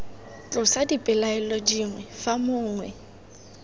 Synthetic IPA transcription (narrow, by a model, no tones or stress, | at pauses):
t͡ɬʼʊsadipʼɪlaɛlɔd͡ʒiŋwɛfamʊːŋwɛ